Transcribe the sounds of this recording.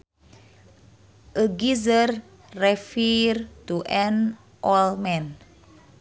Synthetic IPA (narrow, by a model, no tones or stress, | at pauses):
ʔəɡizərː | ɛfird̪uʔɛn | ʔɔlmɛn